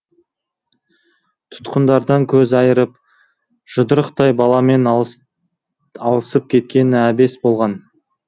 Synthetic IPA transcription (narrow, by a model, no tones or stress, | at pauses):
t̪ʰʊ̥t̪qənd̪ɑɾd̪ɑŋkʲʰɵzɑjəɾəp̚ | ʒ̥ʊd̪əɾəqt̪ɑjbɑlˠɑme̞n | ɑlˠəsəp̚kʲʰe̞t̪kʲe̞nɪæbe̞sbo̞lˠʁɑn